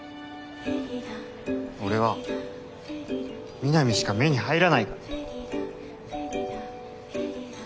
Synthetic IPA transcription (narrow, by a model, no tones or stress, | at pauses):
o̞ɾe̞βa | mʲinamʲiɕi̥kame̞ɲ̟ihaiɾanaika